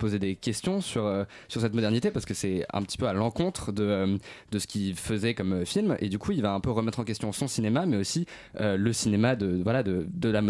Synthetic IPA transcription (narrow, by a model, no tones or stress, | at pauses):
pozed̪ekʲɛst̪jɔ̃syʁøsyʁsɛt̪mɔd̪ɛʁnit̪epaʁsə̥kəsɛɛ̰̃pət̪i̥pøalɑ̃kɔ̃t̪χəd̪əd̪əsə̥kʲifəzɛkɔmøfilmḛd̪ykuilvaɛ̃pøʁəmɛt̪χɑ̃kʲɛst̪jɔ̃sɔ̃sinemamɛosi | øləsinemad̪əvwalad̪əd̪əlam